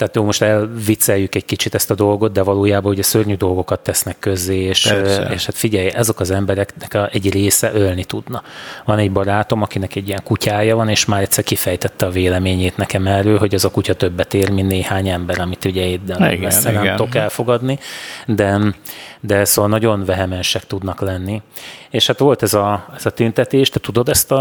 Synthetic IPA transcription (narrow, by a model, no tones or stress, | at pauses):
t̪ɛaːt̪joːlmo̞ʃt̪ɛlvit̪sɛjːykɛɟkit͡ʃit̪ɛst̪ɒd̪o̞lɡo̞t̪̚d̪ɛvɒloːjaːbɒuɟɛsørɲyd̪o̞lɡo̞kɒt̪ːɛsnɛkːø̞zːeːeːʃeːʃhat̪fiɟɛjɛzo̞kɒzɛmbɛɾɛknɛkɛɟreːsɛʔølnit̪ud̪nɒvɒnɛɟbɒɾaːt̪o̞mɒkinɛkɛɟːijɛŋkucʰaːjɒvɒneːʃmaːɾɛt̪ʲsɛrkifɛjt̪ɛt̪ːɛɒveːlɛmeːɲeːt̪nɛkɛmɛrːøːlɦo̞ɟɛzɒkucɒt̪øbːɛt̪eːrminːeːhaːɲɛmbɛɾɒmit̪uɟɛeːd̪ːɛlɛsɛnɛmokɛlfo̞ɡɒd̪nid̪ɛ | d̪ɛsoːvɒlnɒɟo̞nvɛɦɛmɛnʃɛkt̪ud̪nɒklɛnːieːʃhat̪ʋo̞lt̪ɛzɒɛzɒt̪ynt̪ɛt̪eːʃt̪ɛt̪ud̪o̞d̪ɛst̪ɒ